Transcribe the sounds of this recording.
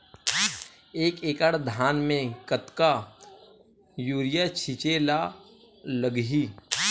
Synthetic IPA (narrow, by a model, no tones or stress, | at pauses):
eːkeːkəɽd̪ʱaːnmẽkət̪ka | juːɾɪjat͡ʃʰɪt͡ʃeːla | ləɡɦi